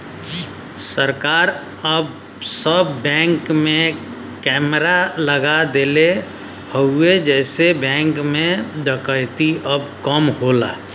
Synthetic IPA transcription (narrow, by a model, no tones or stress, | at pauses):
səɾkaːɾ | əb | səbːɛ̃ŋkmẽ | kɛmɾaləɡad̪ele | həued͡ʒɛsebɛ̃ŋkmẽd̪əkəɪt̪iəbkəmɦola̰